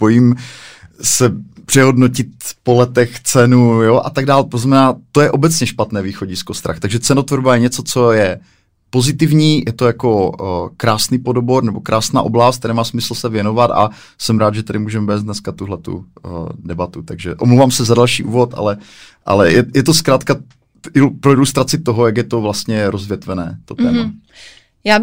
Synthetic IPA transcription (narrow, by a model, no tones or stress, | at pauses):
po̞jiːm | sɛpr̥ɛɦo̞dnocɪt̪̚polɛt̪ɛxt͡sɛnujoʔa̰t̪aɡ̚daːlt̪oznamɛnaːt̪o̞jɛʔo̞bɛt͡sɲɛʃpat̪nɛːviːxo̞ɟɪskost̪ɾa̰xt̪aɡʒɛt͡sɛnot̪voɾbajɛɲɛt͡so̞t͡so̞jɛ | po̞zɪt̪ɪvɲiːjɛt̪ojakokɾaːsniːpo̞doboɾnɛbo̞kɾʔaːsna̰ːʔoblast̪̚ɛɾɛːmaːsmɪsl̩sɛvjɛno̞vat̪a̰ | sɛmɾaːd̪ʒɛt̪adɪmuːʒɛmvɛːzd̪nɛskat̪uɦlɛt̪ṵdɛbat̪ut̪aɡʒɛʔomlowvaːmsɛzadalʃḭːʔṵːvot̪ʔa̰lɛ | ʔa̰lɛjɛjɛt̪o̞skɾaːt̪ka | ʔɪpɾoɪlust̪ɾat͡sɪt̪oɦojaɡjɛt̪o̞vlast̪ɲɛɾozvjɛt̪vɛnɛ̰ːt̪o̞t̪ɛ̰ːma | jaː